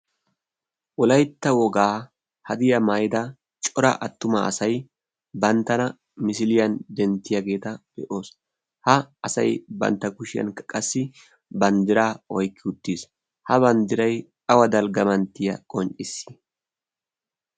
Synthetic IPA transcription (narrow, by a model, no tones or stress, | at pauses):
ʔʊlɐjt̪ːɐwɔɡaː | hɐd̪ɪjɐmaːjd̪ɐ | t͡ʃʼɔɾɐ̰ʔɐt̪ːʊmɐ̰ɐ̰sɐj | bɐnt̪ːɐnɐ | mɪsɪlɪjɐnd̪ɛnt̪ːɪjɐɡe̞ːt̪ɐb̥ɛʔo̞ːs | hɐɐsɐjbɐ̰nt̪ːɐkʊʃɪjɐ̰nkɐkʼɐsːɪ | bɐnd̪ɪɾaːɔjkʰːɪʊt̪ːiːs | hɐbɐnd̪ɪɾɐj | ɐwɐd̪ɐlɡɐmɐnt̪ːɪjɐ̰kʼɔnt͡ʃʼɪsːɪ̥